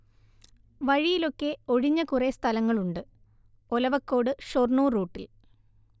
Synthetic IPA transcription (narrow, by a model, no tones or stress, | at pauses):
ʋɐɻijilo̞kːe̞o̞ɻiɲːɐkurest̪ʰɐlɐŋːɐɭuɳɖɨ | olɐʋɐkːo̞ːɽɨʂo̞rnuːruːʈːil